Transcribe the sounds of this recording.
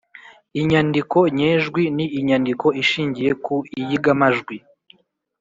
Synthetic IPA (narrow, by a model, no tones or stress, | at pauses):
iɲandiko̞ɲeːʒɡwiniʔːɲandiko̞iʃiːɲɟijekuijiɡamaʒɡwi